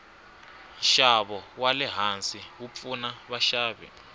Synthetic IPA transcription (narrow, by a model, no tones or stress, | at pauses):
nʃaβɔwalɛɦansʼiwup̪funaβaʃaːβḭ